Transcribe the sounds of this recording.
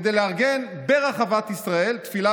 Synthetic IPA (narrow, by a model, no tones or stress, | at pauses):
d̪ejleaʁɡen | beʁaχavat̪isʁae̞lt̪fila